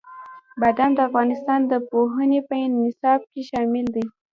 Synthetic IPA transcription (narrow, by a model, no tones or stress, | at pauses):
bad̪and̪əafɣɑnɪst̪ɑnd̪əpoɦənepəɪnːɪsɑb̚keʃɑmɪld̪i